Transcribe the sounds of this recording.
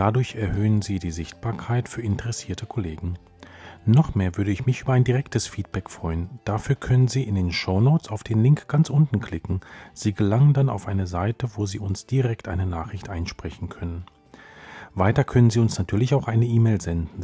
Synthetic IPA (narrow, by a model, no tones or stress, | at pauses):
d̥adʊɐçɛɐhøːənziːdiːzɪçt̚b̥aːɐkʰaɪtfyːɐɪntəʁɛsiːɐtʰəkʰoleːɡŋ̩ | nɔχmeːɐvʏɐdəɪçmɪçʔyːbɐaɪndiʁ̞ɛktʰəsfiːt̚b̥ɛkfʁ̥ɔʏənd̥afyːɐkʰœnənziːɪndeːnʃoʊnoːt͡saʊfd̥eːnlɪŋkɡ̥ant͡sʔʊntn̩kʰl̥ɪkŋ̩z̥iːɡəlaŋəndana̰ʊfʔaɪnəzaɪtəvoːziːʊnsd̥iʁɛktʔaɪnənaːχʁ̥ɪçtʔaɪnʃpʁ̥ɛçn̩kʰœnən | vaɪtɐkʰœnənziːʊnsnatʰyːɐlɪçaʊxʔaɪnəʔiːmeːlzɛndn̩